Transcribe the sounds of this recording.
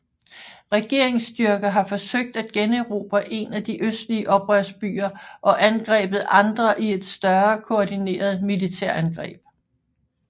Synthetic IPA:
ʁɛɡ̥e̝ɐ̰e̝ŋsd̥yɐɡ̥ɐɦɑ̈fɒ̽søɡ̥̚d̥æd̥̚ɡ̥enəeʁo̝ːb̥æʔe̝næd̥iʔøsd̥liəʔɒ̽b̥ʁœɐsb̥y̰ːɐʔɒ̽ʔænɡ̥ʁɛ̰ːb̥ð̞̩ˠʔɑ̈nd̥ʁɐʔie̝d̥sd̥ɶɐkʰo̝ːdine̝̰ːɐð̞̩ˠmilit͡sʰæɐ̰ænɡ̥ʁɛ̰ːb̥̚

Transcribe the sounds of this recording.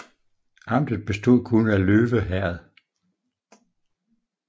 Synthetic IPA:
ɑ̈m̰d̥ð̩ˠb̥e̝sd̥o̝ð̰ˠkʰunəæløːʋəɦæɐð̩ˠ

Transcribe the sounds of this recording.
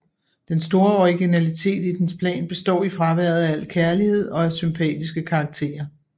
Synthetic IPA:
d̥ensd̥o̝ːɐɒʁiɡ̥inælit͡sʰe̝̰ːd̥id̥enspʰlɛ̰ːnb̥e̝sd̥ɒ̰ːifʁɑ̈ʋæɐ̰ð̞̩ˠæl̰kʰæɐlihe̝ð̞̰ˠɒ̽æsympʰɛ̰ːd̥isɡ̥əkʰɑ̈ːɡ̥̚t͡sʰe̝̰ːɐ

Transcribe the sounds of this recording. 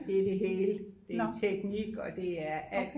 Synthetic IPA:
ed̥e̝ɦeːləd̥e̝t͡sʰeɡ̥niɡ̥ɒ̽d̥e̝æɐæl̰d̥

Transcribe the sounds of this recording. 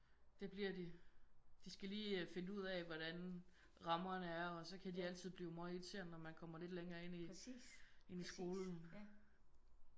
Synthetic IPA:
d̥e̝b̥liɐdi | d̥isɡ̥æliːfe̝nəuð̞̰ˠɛʋɒɾ̥æn | ʁɑ̈mɐnəæɐɒ̽sɒ̽kʰæd̥iæl̰t͡sʰið̰ˠb̥liːʊmɑ̈e̥t͡sʰe̝̰ɐ̰nɒmænkʰɒ̽m̰ɐle̝d̥leŋɐːe̝n̰i | e̝nisɡ̥o̝ːln̩

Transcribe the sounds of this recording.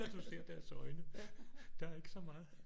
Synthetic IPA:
æd̥use̝ɐ̰d̥æɐsɒ̽ɪnəd̥ɑ̈æɐe̝ɡ̥əsɒ̽mɑ̈ːð̩ˠ

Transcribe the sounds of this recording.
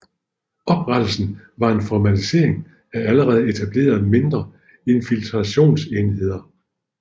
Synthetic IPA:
ɒ̽b̥ʁad̥l̩sn̩ | ʋɑ̈e̝nfɒmæt͡sise̝̰ɐ̰eŋ | ææləʁɛːð̞̩ˠe̝t͡sʰæb̥le̝̰ːɐð̞̩ˠme̝nd̥ʁɐ | e̝nfilt͡sʰʁɑɕo̝̰ːnseːnhe̝ð̰ˠɐ

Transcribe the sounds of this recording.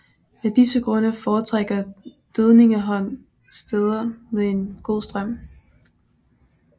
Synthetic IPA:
med̥isəɡ̥ʁɔ̽nəfɒːt͡sʰʁaɡ̥ɐd̥øð̞ˠne̝ŋəɦɒ̽n̰ | sd̥eð̞ˠɐmeðˠe̝nɡ̥o̝ð̰ˠsd̥ʁɶm̰

